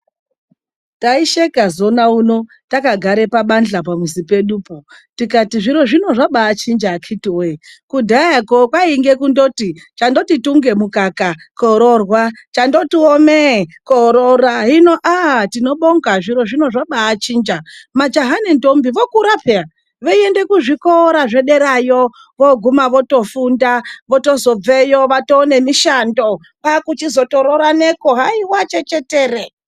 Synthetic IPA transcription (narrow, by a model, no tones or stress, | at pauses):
taiʃekazo̞nauno̞ | takaɡʱaɾe̞paɓand͡ɮapamuzipe̞ɗupo | tikatiʐiɾo̞ʐino̞ʐaɓaːt͡ʃind͡ʒakʰitiwekudʱaakokwaiŋɡekundotit͡ʃando̞tituŋɡe̞mukakakoɾorwat͡ʃandotiomekoɾoɾaɦino̞ʔatino̞ɓoŋɡaʐiɾo̞ʐino̞ʐaɓaːt͡ʃiːnd͡ʒamad͡ʒaɦanendombiʋo̞kuɾapea | ʋeiende̞kuʐikoɾaʐe̞ɗe̞ɾajo | ʋoɡʱumaʋo̞to̞fundaʋo̞to̞zo̞b͡vejoʋatoːne̞miʃando̞ | pakut͡ʃizo̞to̞ɾoɾanekoɦaiwat͡ʃe̞t͡ʃe̞teːre